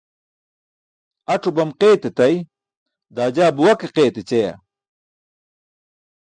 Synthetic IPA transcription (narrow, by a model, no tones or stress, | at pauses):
ɐʈ͡ʂubɐmqeːt̪et̪ɐj | d̪aːd͡ʑaːbuwɐkeqeːt̪et͡ɕeja̰